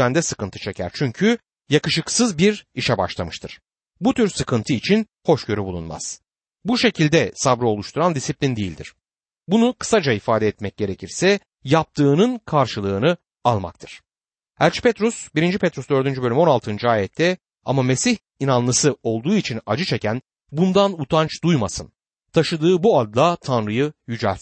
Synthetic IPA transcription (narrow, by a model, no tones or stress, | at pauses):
ænd̪ɛsɯkɯnt̪ʰɯ̥t͡ʃʰe̞cʰæ̰ɾt͡ʃʰyɲcʰy | jakɯʃɯksɯzbiɾiʃɛba̰ʃlˠamɯʃt̪ʰɯɾ̥ | but̪ʰyɾsɯkʰɯnt̪ʰɯit͡ʃʰin | ho̞ʃɟø̞ɾybulˠunma̰z̥ | buʃe̞cʰilʲd̪ɛsabɾɯo̞lˠuʃt̪ʰuɾand̪isiplʲind̪ejilʲd̪ḭɾ̥ | bunukʰɯ̥sad͡ʒaifaːd̪ɛːt̪mɛc̚ɟ̥e̞ɾe̞cʰiɾsɛ | jap̚t̪ʰɯːnɯnkʰaɾʃɯlˠɯːnɯ | alˠma̰k̚t̪ʰɯɾ̥ | æɾʲt͡ʃʰi̥pʰɛt̪ɾusbiɾind͡ʒipʰɛt̪ɾusd̪ø̞ɾd̪ynd͡ʒybø̞lʲymo̞nalˠt̪ʰɯnd͡ʒɯaːjɛt̪ʰːɛ | a̰mame̞siç | inanlˠɯsɯo̞lˠd̪uːit͡ʃʰina̰d͡ʒɯt͡ʃʰe̞cʰæn | bund̪anut̪ʰant͡ʃd̪ujmasɯn | t̪ʰaʃɯd̪ɯːbuad̪lˠat̪ʰanɾɯjɯjyd͡ʒæ̰lʲ